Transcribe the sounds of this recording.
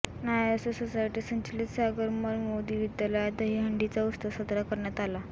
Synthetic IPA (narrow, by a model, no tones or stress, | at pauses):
najosososajʈisənt͡ɕilisaɡəɾməɾmod̪iːʋid̪jalad̪əɦiɦəɳɖit͡saust̪əsəd̪ɾakəɾɳjat̪ala